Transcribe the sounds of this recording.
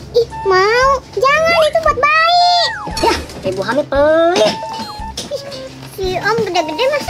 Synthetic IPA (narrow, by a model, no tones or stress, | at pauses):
ihmaud͡ʒaŋanit̪umuat̪̚baijapebuɦanip̪ə | siɔmɡədaɡədɛmas